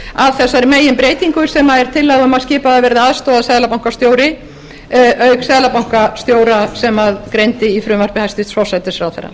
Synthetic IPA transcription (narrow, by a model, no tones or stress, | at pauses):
aðθɛsːaɾmeːjɪmpɾeːjt̪iŋkʏsɛmaðɛɾ̥t̪ʰɪlːɛːɣʏmaðscɪːpaðavɛɾðɪaðst̪ɔːðasɛːðlapawŋ̥kast̪joːwɾɪ | ʔœɥksɛːðlapawŋ̥kast̪joːwɾasɛmaðkɾejnt̪ɪifɾʏːmaɾ̥pɪhajst̪ɪst̪vɔsɛt̪ɪsfɾawθɛ̰ɾːa̰